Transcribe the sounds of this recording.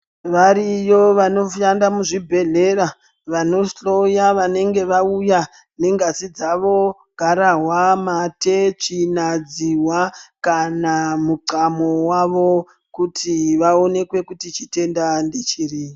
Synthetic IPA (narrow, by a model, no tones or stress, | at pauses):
ʋaɾijo̞ʋano̞ʃandamuʐibʱe̞ɮe̞ɾa | ʋano̞sɬo̞jaʋane̞ŋɡe̞ʋauja | ne̞ŋɡazid͡zaʋo̞ | ɡʱaɾaɦwamatet͡ʃinad͡ziwakanamuǀamowaʋo̞ | kutʰiʋao̞ne̞kwe̞kutit͡ʃite̞ndandet͡ʃiːri